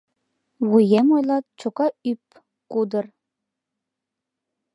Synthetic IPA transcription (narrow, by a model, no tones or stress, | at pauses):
wujemojlˠɑt̪̚t͡ɕokɑyp | kud̪ər